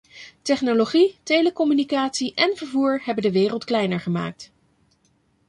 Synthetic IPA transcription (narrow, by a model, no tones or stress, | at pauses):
tɛχnoloχitejləkɔmynikaːtsiʔɛnvəɹvuːɹɦɛbəndəʋɪːrəlˠtklɛjnəɹχəma̰ːk̚t